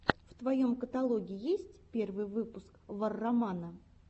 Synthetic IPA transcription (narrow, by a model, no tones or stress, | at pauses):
ft̪vɐjo̞mkət̪ɐlˠo̞ɡʲɪjesʲtʲpʲe̞rvɨjvɨpʊskvɐrːɐmanə